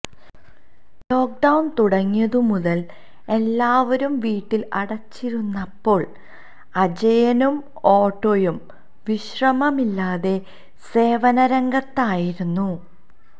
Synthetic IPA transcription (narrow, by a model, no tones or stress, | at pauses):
lo̞ːk̚ɖɐwnt̪uɽɐŋːijɐðɨmuðɐl | e̞lːaːʋɐɾumʋiːʈːilɐɽɐt͡ɕːiɾunːɐpːo̞ːɭ | ɐd͡ʑɐjɐnum | o̞ːʈːo̞ːjum | ʋiɕrɐmɐmilːaːðe̞ | se̞ːʋɐnɐɾɐŋɡɐt̪ːaːjiɾunːu